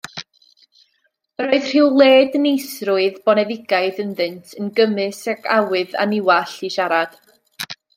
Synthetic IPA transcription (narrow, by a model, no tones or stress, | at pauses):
əɾoɨðr̥ɪːwlˠeːdənejsrʊɨðbɔnɛðɪɡaɨðənðɨntʰənɡəmɨsakʰawɨða̰nɪwaɬiʃaɾad̥